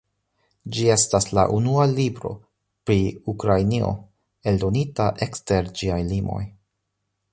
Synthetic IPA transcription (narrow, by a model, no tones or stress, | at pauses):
d͡ʒie̞stasla̰ʔunualibɾo̞ | pɾiukɾajnio̞̰ | e̞ldo̞nitaʔe̞kste̞ɾd͡ʒiajlimʔo̞̰j